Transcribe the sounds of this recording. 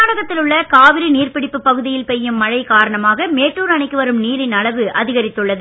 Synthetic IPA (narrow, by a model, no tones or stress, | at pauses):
aːɽɐɣɐt̪ːɪlɯɭːɐkaːʋɪɾiniːrpɪɽɪpːɯpɐɣɯðɪjɪlpɛjːɯmːɐɻɐɪkaːɾɐɳɐmaːɣɐmeːʈːuːɾɐɳɐɪkːɯʋɐɾɯmniːɾɪnɐɭɐʋɯɐðɪɣɐɾɪt̪ːɯɭːɐðɯ